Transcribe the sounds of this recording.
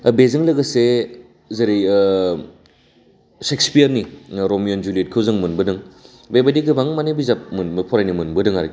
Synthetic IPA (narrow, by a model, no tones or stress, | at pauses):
bezɯŋlɐɡɐse | zɐɾij | sekspijɐɾniɾomijond͡ʒuliet̚kʰɯwzɯŋmɯnbɯdɯŋ | bebadiɡɯbaŋmanebizap̚mɯnbɯpʰɔɾajnimɯnbɯdɯŋaɾi